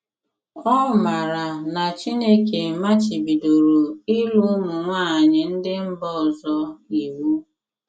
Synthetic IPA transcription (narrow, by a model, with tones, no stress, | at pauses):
ɔ˦˨ma˨ɾa˨na˨t͡ʃi˦ne˦ke˨ma˦t͡ʃi˨bi˨do˨ɾo˨i˦lu˦mʊ˨ŋʷaː˦˨ɲɪ˨n̩˦dɪ˦m̩˦bɔ˦˨zɔ˦i˨wu˦